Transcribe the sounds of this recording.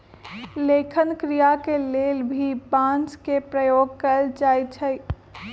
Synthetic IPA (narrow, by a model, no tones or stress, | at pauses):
leːkʰənkɾijakeleːlbʱibãːnt͡ʃkepɾəjoːɡkəld͡ʒaːjt͡ʃʰəj